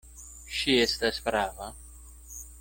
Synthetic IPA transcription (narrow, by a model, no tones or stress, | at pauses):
ʃiest̪aspɾaːva